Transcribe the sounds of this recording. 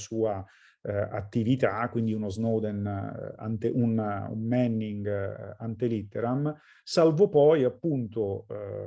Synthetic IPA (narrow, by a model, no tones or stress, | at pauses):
suːa | a̰t̪ːivit̪akwind̪iunoznɔd̪ɛn̰a̰nt̪eʔunṵmːɛnːiŋɡant̪elit̪ːeɾam | salvopɔjapːunt̪o